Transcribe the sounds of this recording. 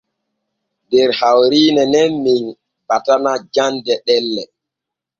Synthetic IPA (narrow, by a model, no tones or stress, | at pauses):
dɛɾhawɾiːnɛnɛnmin | patanad͡ʒandɛɗɛlːɛ